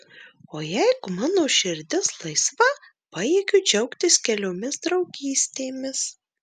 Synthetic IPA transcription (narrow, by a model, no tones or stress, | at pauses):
oːjɛɪɡʊmɑːnoːʃʲɪɾʲd̪ʲɪslˠɐɪsʋɐ | pɑːjeːɡʲʊd͡ʒʲɛʊkt̪ʲɪskʲɛlʲoːmʲɪsd̪ɾɐʊɡʲiːsʲt̪ʲeːmʲɪs